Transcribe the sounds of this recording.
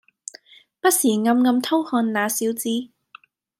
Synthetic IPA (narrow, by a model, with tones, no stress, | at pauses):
pɐ˥t̚siː˨˩ŋɐ˧mŋɐ˧mt̪ʰo˥whɔː˧nlaː˨˧siː˨˥wt͡siː˧